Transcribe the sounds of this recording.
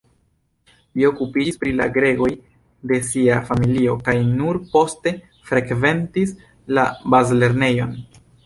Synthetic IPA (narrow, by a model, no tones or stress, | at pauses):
lio̞kupiispɾila̰ɡɾe̞ɡo̞j | de̞siafamilio̞kajnuɾpo̞ste̞ | fɾe̞kve̞ntis | labazle̞ɾne̞jo̞n